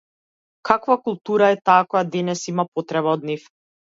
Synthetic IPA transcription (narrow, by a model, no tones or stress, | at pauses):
kʰakvakulˠt̪uɾaɛt̪aːkɔjad̪ɛnɛsimapot̪ɾɛβaɔd̪̚nif